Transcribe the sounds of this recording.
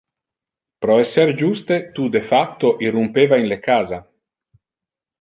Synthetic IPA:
pɾɔesɛɾd͡ʒust̪et̪ud̪efak̚t̪oʔirumpevainlekaːza

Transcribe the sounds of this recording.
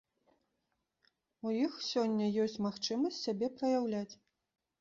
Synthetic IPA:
ujixsʲɔnʲːɐjɔsʲt͡sʲmaxt͡ʂɨmɐsʲtʲsʲabʲɛpɾɐjawlʲat͡sʲ

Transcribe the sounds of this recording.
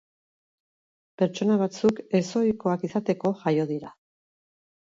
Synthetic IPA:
pe̞ɾt͡ʃo̞naβ̞at͡suke̞so̞jko̞akisat̪e̞ko̞ʝajo̞ðiɾa

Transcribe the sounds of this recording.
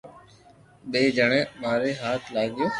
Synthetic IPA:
beːd͡ʒəɳẽːmaːɾeːɦaːt̪ʰlaːɡɪjoː

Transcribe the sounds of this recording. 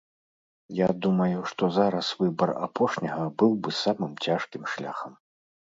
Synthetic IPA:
jad̪umɐjuʂt̪ɔzaɾɐsvɨbɐra̰pɔʂnʲɐɣɐbɨwbɨsamɨmt͡sʲaʂkʲimʂlʲa̰xɐm

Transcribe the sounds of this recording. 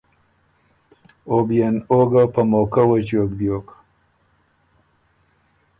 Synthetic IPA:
obijanoɡapamokawat͡ʃjok̚bjoːk

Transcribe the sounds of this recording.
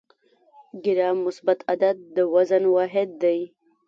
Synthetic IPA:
ɡɪɾɑmːʊsbat̪ʰad̪ad̪̚d̪əwazanwɑɦɪd̪ːaj

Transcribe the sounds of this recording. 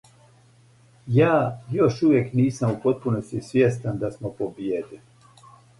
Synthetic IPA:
jaːjo̞ʃuʋjekniːsamupo̞t̪̚punost̪isʋʲjest̪and̪asmopobjed̪e

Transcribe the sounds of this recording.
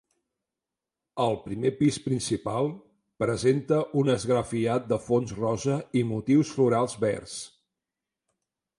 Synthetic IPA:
əlˠpɾimepispɾinsipalˠ | pɾəzent̪əʔunəzɣɾəfiat̪̚d̪əfonzrɔzəimut̪iwsfluɾalˠzβɛ̰rs

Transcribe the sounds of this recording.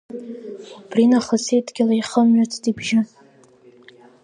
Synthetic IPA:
b̥rinaχəsejtʼɡʲɪlaiχəmɥat͡sʰtʼibʒɪ

